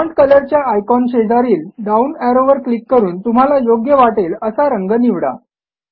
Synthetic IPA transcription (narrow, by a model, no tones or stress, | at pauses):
ɔɳʈkələɾt͡ɕjaːjkɔnɕed͡zaɾiːlɖaunæɾoʋəɾklikːəɾuːnt̪um̤alajoɡjəʋaʈeləsaɾəŋɡəniʋɽa̰